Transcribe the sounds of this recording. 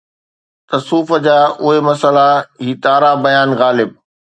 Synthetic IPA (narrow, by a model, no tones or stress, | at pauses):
t̪ɐsuːfə̆d͡ʑaːʊɦemɐsəlaɦiːt̪aːɾabɐjaːnɣaːlɪb̚